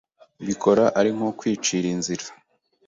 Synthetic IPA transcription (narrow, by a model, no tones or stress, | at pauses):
βikʰo̞ɾaʔaɾiŋ̥ho̞kwiːt͡ʃiɾinziɾa